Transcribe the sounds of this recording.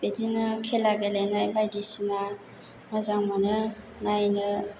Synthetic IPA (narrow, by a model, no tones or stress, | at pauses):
bedinɯkʰelaɡelenɯbajdisina | mazaŋmonɯ | najnɯ